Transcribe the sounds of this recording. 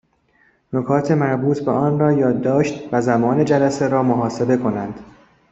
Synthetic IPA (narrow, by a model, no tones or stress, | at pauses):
nokʰɒːt̪ʰe̞mæɾbuːt̪ʰbeʔɒːnrɒːjɒːd̪ːɒːʃt̪væzæmɒːne̞d͡ʒælæse̞ɾɒːmoɦɒːse̞be̞kʰo̞nænd̪̥